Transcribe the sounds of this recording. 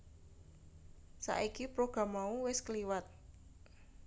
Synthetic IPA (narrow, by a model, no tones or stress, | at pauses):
sa̰ʔikipɾoɡ̥a̤mːauwɪskəliwat̪̚